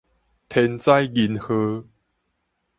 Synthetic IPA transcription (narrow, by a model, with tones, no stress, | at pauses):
t̪ʰɛ˧nt͡sa˦jɡi˧nhɤ˧